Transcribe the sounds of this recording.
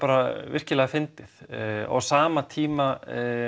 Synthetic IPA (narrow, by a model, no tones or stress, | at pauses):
aːɾavɪr̥cɪlɛːɣafɪnt̪ɪθɔ̰wsaːmat̪ʰiːma